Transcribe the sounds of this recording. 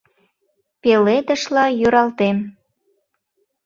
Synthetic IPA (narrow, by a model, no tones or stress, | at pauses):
pelet̪ə̆ʃlɑjøɾɑlt̪em